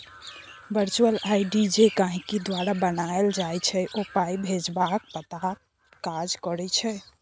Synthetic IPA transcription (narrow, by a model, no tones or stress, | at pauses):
bəɾt͡ʃuəlajɖid͡ʒekãɦikid̪waɾabənaeld͡ʒajt͡ʃʰɛʔopaibʱed͡ʒbak̚pət̪akː | ad͡ʒkɔɾɛt͡ʃʰɛ